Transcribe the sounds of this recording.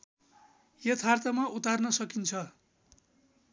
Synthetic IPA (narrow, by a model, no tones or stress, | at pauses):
jʌt̪ʰart̪ʌmaut̪arnʌsʌkint͡sʰʌ